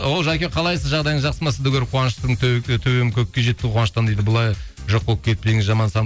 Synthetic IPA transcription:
wolˠʒakʲeqʰɑlˠɑjsəzʒɑʁd̪ɑjd̪əɴʒɑqsəmɑsəd̪ʊkʲeɾqʰuɑnʃt̪əɴt̪ʰɵwemkʲʰɵk̚ʲːeʒe̞t̪ːɪqʰuwɑnʃt̪ɑnd̪ejd̪əbʊlˠɑjʒoqːop̚kʲʰe̞t̪̚pe̞ŋɪzʒɑmɑnsɑ

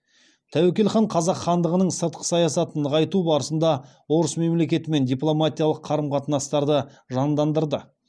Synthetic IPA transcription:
t̪ʰæwekʲe̞lχɑɴqʰɑzɑqχɑnd̪əʁənəɴsəɾt̪̚qʰə̥sɑjɑsɑt̪ənəʁɑjt̪ubɑɾəsənd̪ɑ | wo̞ɾəsme̞mle̞kʲe̞t̪ɪme̞nd̪ijplˠo̞mat̪ʲijalˠəqʰːɑɾəmqʰɑt̪ənɑst̪ɑɾd̪ə | ʒɑnd̪ɑnd̪əɾd̪ə

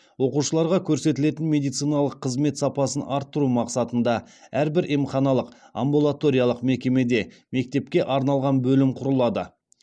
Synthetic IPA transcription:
wo̞quʃəlˠɑɾʁɑkʲʰɵɾse̞t̪ɪle̞t̪ɪnmʲe̞d̪ijt̪sijnɑlˠəqʰːəzme̞t̪sɑpɑsənʔɑɾt̪ːəɾumɑqsɑt̪ənd̪ɑ | æɾbɪɾʔimχɑnɑlˠəq | a̰mbulˠat̪o̞ɾijɑlˠəqme̞kʲe̞me̞d̪e̞ | me̞k̚t̪e̞p̚kʲe̞ʔɑɾnɑlˠʁɑnbɵlɪmqʰʊɾəlˠɑd̪ə̰

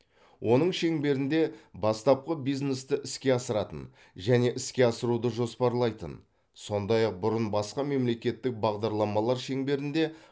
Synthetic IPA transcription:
wʔo̞nəɴʃe̞ŋbe̞ɾɪnd̪e̞bɑst̪ɑp̚qəbijzne̞st̪ɪʔɪskʲe̞ɑsəɾɑt̪ə̰n | ʒæne̞ʔɪskʲe̞ɑsəɾud̪əʒo̞spɑɾlˠɑjt̪ə̰n | so̞nd̪ɑjɑq̚bʊɾənbɑsqɑme̞mle̞kʲe̞t̪ːɪk̚bɑʁd̪ɑɾlˠɑmɑlˠɑɾʃe̞ŋbe̞ɾɪnd̪e̞

